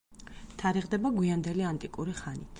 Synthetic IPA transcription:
t̪ʰaɾiʁd̪ɛbaɡwiand̪ɛliant̪ʼikʼuɾiχanit̪ʰ

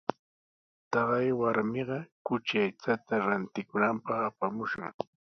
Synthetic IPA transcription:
t̪ɑɢɑjwaɾmɪɢɑkʊt͡ʃajt͡sat̪aɾant̪ɪkʊnampɑχapamʊʃʊŋ

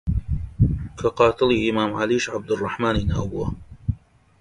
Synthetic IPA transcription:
kʰɐqɑːt̪ɨliʔɪmaːmʕaliːʃʕab̚d̪ɨrˤːɑħmaːniːna̰ːwbuwɐ

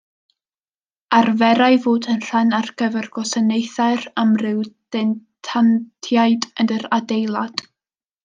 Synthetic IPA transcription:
arvɛɾaɨvoːdənr̥ɛnarɡ̥əvɛrɡ̥ɔsənejθaɨramrɨwdɛntʰantʰjajdəndəɾadejlˠad̥

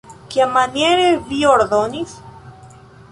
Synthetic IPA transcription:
kjamanjeɾevioɾðonis

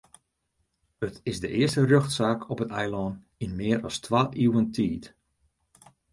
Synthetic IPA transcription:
ətɪzdəʔɪərstərøxtsaːkʰɔpətɛjlɔn | inmɪːəɾɔstʰʋaʔiwəntʰiːt

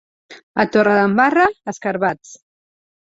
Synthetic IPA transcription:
ət̪orəðəmbarəːskəɾβat͡s

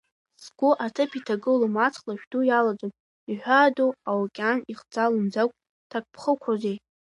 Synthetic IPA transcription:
sɡ̥ʷʊʔatʰɨpʰitʰaɡɨlumat͡sʰʼlaʃᶣdujalad͡zʼon | iħᶣʷaduawakʲʼaniχd͡zalɨmd͡zakʷʼ | tʰakʼpʰχəkʷʰrozej

